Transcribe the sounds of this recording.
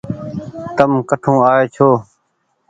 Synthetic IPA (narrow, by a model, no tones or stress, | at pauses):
t̪əmkəʈʰũːaːeːt͡ʃʰoː